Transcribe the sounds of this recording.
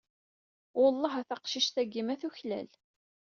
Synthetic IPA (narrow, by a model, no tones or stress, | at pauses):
ʊlˤːɑɦæθɑqʃiʃt̪æɡːimæθuçlæ̰l